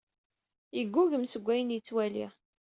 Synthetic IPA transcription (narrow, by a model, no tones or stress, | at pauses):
iɡʷːuʝəmsəɡʷːæjənjət͡sːwælḭʁ